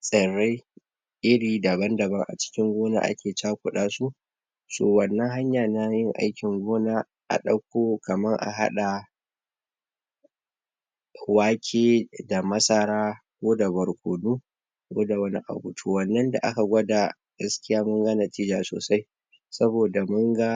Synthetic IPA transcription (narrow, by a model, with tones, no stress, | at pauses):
sʼɐ˨ɽe˦j | ʔɪ˦ɽiː˨da˨bɐ˦ndɐ˨bɐ˦ŋʔa̰˨t͡ʃɪ̥˦kʲɪ˦ŋɡʷoː˦na̰ː˦ʔa̰˦kʲʰeː˨t͡ʃaː˦kʷʊ˨ɗaː˦su˦ʔ | so̰ː˨wɐ˨nːɐ˦ŋɦa˦ɲjaː˨na˦jɪ˦ŋʔa̰˦jkʲɪ˨ŋɡʷoː˦naː˦ | ʔa̰˨ɗɐ˦kʷoː˦kɐ˨mɐ˦ŋʔa̰˨ɦa̰˦ɗa˨ | waː˦kʲʰeː˦da˨mɐ˦sɐ˦ɾaː˦kʷoː˦da˨bɐ˨ɽkʷoː˨duː˦ | kʷoː˦da˨wɐ˦nḭ˦ʔa̰˨bu˨tʰu˦wɐ˨nːɐ˦nda̰˨ʔa̰˦ka˨ɡʷɐ˦da˨ | ɡ̥ɐ˦skʲɪ˦jaː˦mʊ˦ŋɡa˦na˨tiː˦d͡ʒaː˨so̰ː˨sa˦j | sɐ˦boː˨da˨mʊ˦ŋɡa˦